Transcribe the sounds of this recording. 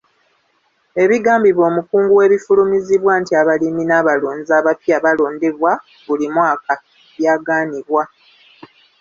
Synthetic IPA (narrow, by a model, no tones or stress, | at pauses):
e̞βiɡaːmbiβo̞ːmukuːŋɡuwe̞ːβifulumiziβwaːntiaβaliminaːβaloːnzaːβapiaβalo̞ːnde̞βwa | βulimwaːka | βjaːɡaːniβwa